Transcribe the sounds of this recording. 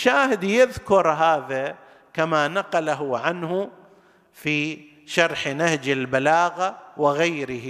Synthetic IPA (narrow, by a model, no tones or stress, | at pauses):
ʃaːɦɪd̪jɪðkʊɾˤɦaːða | kamanaqɑlaɦʊʕanhʊ | fiː | ʃɑɾˤħnahd͡ʒɪlbalaːɣawɪɣajɾɪhi